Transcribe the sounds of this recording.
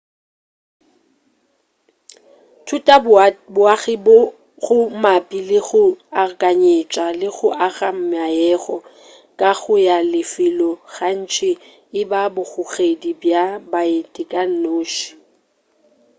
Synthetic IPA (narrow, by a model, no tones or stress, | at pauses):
tʰutʼabʊaɣɪb | ɣʊmapʼilɪɣʊakʼaɲet͡ʃʼalɪɣʊʔaɣam̩majɛɣɔ | kʼaɣʊjalɪfɪlɔɣan̩t͡ʃʰʼɪ | ɪbabʊɣʊɣedibjabaetʼɪkʼan̩noːʃi̥